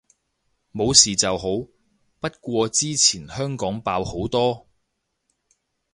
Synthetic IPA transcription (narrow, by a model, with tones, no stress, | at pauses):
mo˨˧wsiː˨˩t͡sɐ˨wɦo˨˥w | pɐ˥t̚kʷɔː˧t͡siː˥t͡sʰiː˨˩nhœː˥ŋkɔː˨˥ŋpaː˧who˨˥wt̪ɔː˥